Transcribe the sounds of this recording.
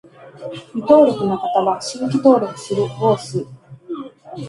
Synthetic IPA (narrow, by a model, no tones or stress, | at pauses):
ɾʲit̪o̞ːɾʲo̞kɯ̟no̞kat̪aβaɕiŋkʲit̪o̞ːɾʲo̞kɯ̟̥sɨɾɯ̟hoːsɨ